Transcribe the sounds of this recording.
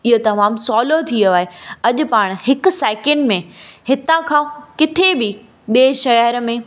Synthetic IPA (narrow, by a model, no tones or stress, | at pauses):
ɪɦot̪ɐmaːmsɔːlot̪ʰioaːɦeɐʄʊ̆paːɽ̃hɪkʊ̆seːkɛ̃ɳɖmẽhɪt̪ãkʰãːkɪt̪ʰebɪ | ɓeːʃɐɦəɾmẽ